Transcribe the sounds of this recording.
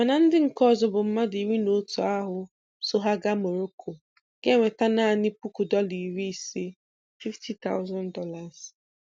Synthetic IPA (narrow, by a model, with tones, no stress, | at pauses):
ma˨na˨n̩˦dɪ˦ŋ̩˨kɔ˦˨zɔ˨bʊ˨m̩˦ma˦di˨wi˦no˦tu˨a˦ɦʊ˦ | so˦ɦa˦ɡa˦mo˨ɾo˦kʰo˨ | ɡ̥e˦ŋʷe˨ta˦na˦˨ni˦pu˦ku˨dɔ˦li˨ɾi˦i˨si˦ | fi˦ftʰi˦ta̰˦ʊ˦za˦ndɔ˦la˨z